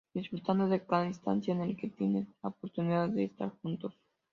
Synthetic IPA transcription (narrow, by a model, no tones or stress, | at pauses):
d̪̥izbut̪and̪eðefɡanist̪a̰nt͡ʃ̪jenelket̪eneopoɾt̪uniðaðeːst̪a̰ɾxunt̪o